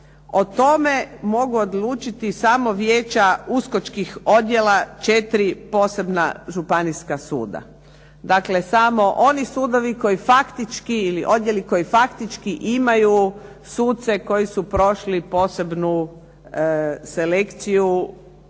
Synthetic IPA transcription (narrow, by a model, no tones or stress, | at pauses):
ot̪o̞me̞mo̞ɡuo̞d̪luːt͡ʃit̪isamo̞ʋje̞ːt͡ʃauskot͡ʃkixo̞d̪je̞lat͡ʃet̪ɾipo̞ːse̞bna̰ʒupaniskasṵːd̪a̰ | d̪akle̞samo̞ʔo̞nisuːd̪o̞ʋiko̞jifakt̪it͡ʃkiilḭʔo̞d̪je̞liko̞jifakt̪it͡ʃkiʔimaju | suːt̪̚t̪se̞ko̞jisupɾo̞ʃlipo̞ːse̞bnu | se̞le̞kt̪siju